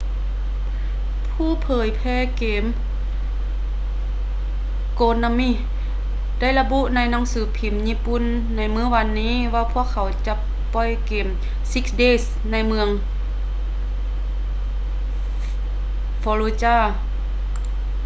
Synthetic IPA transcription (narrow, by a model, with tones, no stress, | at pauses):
pʰuː˧˥˨pʰɤː˨˦jpʰɛː˧˥˨keː˨m | koː˧na˧mi˧˩˨ | da˥˩˨jla˧bu˧˥˨ʔna˧˥˨jna˧˥˨ŋsɯː˨˦pʰi˨˩mɲiː˧˥˨pu˧˨nː | a˧˥jmɯː˧˥˩ʋa˧nːiː˧˥˨ʋaː˧pʰu˧˥˨əkʰːa˨˩˦wt͡ɕa˧˦ʔ | pɔ˧˩jkeː˨˩m | si˧˥k̚sdeː˧˥˨s | na˧˩jmɯ˧əŋ | fɔ˧lo˧t͡ɕaː˧˩